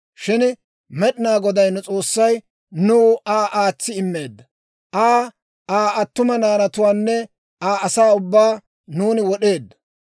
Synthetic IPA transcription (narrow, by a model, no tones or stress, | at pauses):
ʃɪn | mɛɗɪnaːɡɔd̪ɐjnʊt͡sʼo̞ːsːɐj | nuːaːʔaːt͡sːɪɪmːe̞ːd̪ːɐ | ʔaː | aːʔɐt̪ːʊmɐnaːnɐt̪ʊwaːnːɛ | aːɐsaːʊbːaː | nuːnɪwɔɗe̞ːd̪ːɐ̥